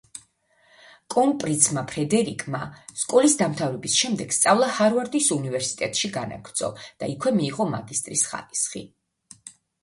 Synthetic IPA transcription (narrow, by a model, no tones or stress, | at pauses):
kʼɔnpʼɾit̪sʰmapʰɾɛd̪ɛɾikʼmaskʼɔlisd̪amt̪ʰavɾɛbisʃɛmd̪ɛɡ̥st̪sʼavlˠahaɾvaɾd̪isunivɛɾsi̥t̪ʼɛt̪ʼʃiɡana̰kʰɾd̪sʰʼɔ̰d̪̥aikʰwɛmiːʁɔma̰ɡist̪ʼɾisχa̰ɾisχḭ